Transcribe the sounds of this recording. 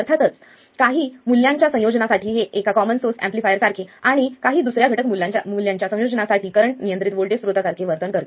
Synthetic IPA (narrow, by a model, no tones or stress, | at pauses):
əɾt̪ʰat̪ət͡s | kaɦiːmuljãɲt͡ɕjasə̃jod͡ʑnasaʈiːɦeʔekakɔmənsosæ̰̃mplifajəɾsaɾkʰeaɽ̃ikaɦiːd̪usɾjaɡʱəʈəkmuljãɲt͡ɕa̰muljãɲt͡ɕjasə̃jod͡ʑnasaʈiːkəɾəɳʈnijənt̪ɾit̪ʋoɭʈesɾot̪asaɾkʰeʋəɾt̪ənkəɾt̪